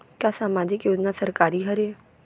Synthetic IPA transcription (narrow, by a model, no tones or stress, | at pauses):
kjasaːmaːd͡ʑɪkjoːd͡ʑnasəɾkaːɾiɦəɾe